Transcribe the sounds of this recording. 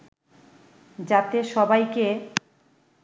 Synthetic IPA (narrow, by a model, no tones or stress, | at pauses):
d͡ʑat̪eʃɔbajke